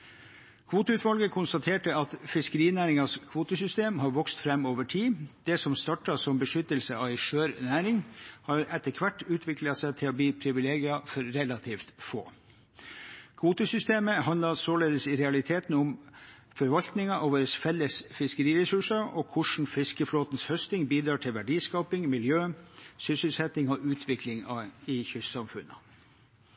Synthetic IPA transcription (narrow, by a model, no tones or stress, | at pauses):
kʰʋuːt̪əʉːt̪ʋɑlɡəkʰʊnst̪ɑt̪ʰeːʈəɑt̪fɪskəɾiːnæːɾɪŋɑskʰʋuːt̪əsʏst̪eːmhɑɾʋɔkst̪fɾɛmːoːʋəʈʰiːd̪̥ɛsɔmst̪ɑʈɑsɔmbəʂʏt̪ːəlsəɑʋæɪʂøːɾnæːɾɪŋhɑːɾɛt̪ːəkʰʋæʈːʉːt̪ʰʋɪklɑsɛɪt̪ʰɪloːbliːpʰɾɪʋɪleːɡɪɑfɔɾɾɛlɑt̪ʰiːft̪fo̰ː | kʰuːt̪əsʏst̪eːməɦɑnlɑsoːleːd̪əsɪɾɛɑlɪt̪ʰeːt̪nʊm | fɔɾʋɑlt̪nɪŋɑʔoːʋəɾəsfɛlːəsfɪskəɾiːɾɛsʉʂɑɔkʰʊʂɳ̩fɪskəfloːt̪nshœst̪ɪŋbiːd̪ɾɑːʈʰɪlʋæɖiːskɑːpɪŋmɪljøːsʏsəlsɛt̪ɪŋɔʔʉːt̪ʰʋɪklɪŋɑɪçʏssɑmfʉnə